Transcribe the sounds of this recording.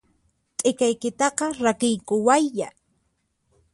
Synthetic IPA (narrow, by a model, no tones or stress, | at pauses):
t̪ʼekajkɪt̪ɑqɑɾakɪjkʊwajːa